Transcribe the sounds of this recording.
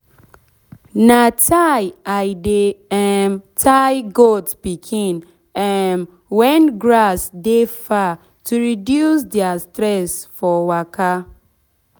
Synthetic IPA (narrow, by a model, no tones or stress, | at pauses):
natʰajaɪdeɛmtʰajɡotpikʰĩn | ɛm | wɛnɡɾasdefa | tuɹidjusdɛastɾɛsfɔwaka